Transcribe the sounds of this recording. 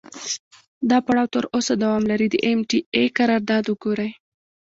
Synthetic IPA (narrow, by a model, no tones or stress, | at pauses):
d̪ɑpaɽɑwt̪əɾosad̪awɑmlaɾid̪ə̰ʔemʈiekaɾɑɾd̪ɑd̪wəɡoɾaj